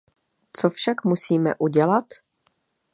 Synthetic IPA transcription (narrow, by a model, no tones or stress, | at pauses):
t͡sofʃakmusiːmɛ̰ʔuɟɛlat̪